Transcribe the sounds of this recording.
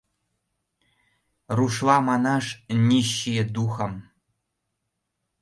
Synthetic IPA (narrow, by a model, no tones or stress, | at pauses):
ruʂlɑmɑnɑʂnʲiɕːid̪uxɤ̆m